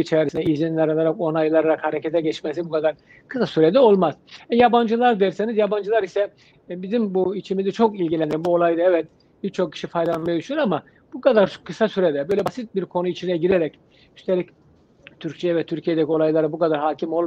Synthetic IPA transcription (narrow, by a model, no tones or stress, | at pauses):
it͡ʃʰɛɾisinɛizinlʲɛɾalˠaɾako̞najlˠaɾaɾakhaɾecʰɛt̪ʰɛɟɛt͡ʃmesibukʰad̪aɾ | kʰɯ̥sasyɾed̪ɛo̞lˠmaz̥ɛjaband͡ʒɯlˠaɾd̪eiɾsenizjaband͡ʒɯlˠaɾisɛ | bizimbuit͡ʃʰimizɛt͡ʃʰo̞kilʲɟilʲænimbuo̞lˠajd̪ɯɛvɛt̪̚ | b̥iɾt͡ʃʰo̞k̚cʰi̥ʃifajd̪alˠanmajad̪yʃʰynyɾama | b̥ukad̪aɾkʰːɯsasyɾed̪ɛbø̞jlʲɛbasit̪̚biɾkʰo̞nuit͡ʃʰinɛɟiɾeɾɛc | y̥st̪ʰeɾʲic | t̪ʰyɾct͡ʃʰijɛvɛt̪ʰyɾcʰijed̪ɛcʰio̞lˠajlˠaɾɯbukad̪aɾɦaːcʰimo̞lˠ